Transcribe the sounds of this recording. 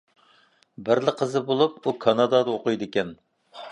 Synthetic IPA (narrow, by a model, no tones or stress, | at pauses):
bɪɾlɪqʰəzɨbolˠup̚ukʰɑnɑd̪ɑd̪ɑoqʊjd̪ɪkʲɛn